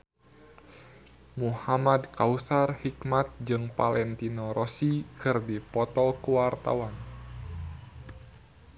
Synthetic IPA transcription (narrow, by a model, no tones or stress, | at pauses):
muhamadkausarhikmat̪̚d͡ʒɨŋpalɛnt̪inoɾʔosikɨrdipɔt̪ɔkuwart̪a̰wan